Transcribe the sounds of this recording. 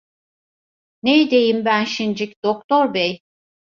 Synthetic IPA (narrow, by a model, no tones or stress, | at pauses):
nejd̪e̞jimbænʃind͡ʒicd̪̥okt̪ʰoɾbej